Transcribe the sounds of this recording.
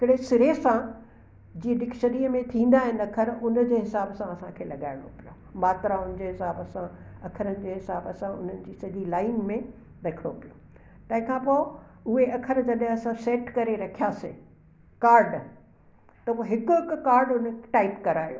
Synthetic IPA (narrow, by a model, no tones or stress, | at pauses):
ɪkɪɽesɪɾesã | d͡ʑiːəɗɪkʃəɾiːəmẽt̪ʰĩːn̆d̪aːɦɪnɪ̆ɐkʰəɾʊnd͡ʑeːɦɪsaːbsãɐsãkʰeːlɐɠaːɪɽ̃opijo | maːt̪ɾaʊnɪ̃d͡ʑeːɦɪsaːbəsãɐkʰəɾənɪ̆d͡ʑeːɦɪsaːbəsãʊ̰n̤ənɪ̆d͡ʑiːsɐd̪ilaːɪnmẽ | dɐkʰɽo̰pijo | t̪ɐ̃ːɦɪ̃kʰãpoːʊɦeɐkʰəɾd͡ʑɐɗɦɪ̃ɐsãseːʈkɐɾeɾɐkʰijaːse | kaːɾɖ | t̪ɐʋoːɦɪkʊɪkkaːɾɖʊnʈaɪpkɐɾaːijoː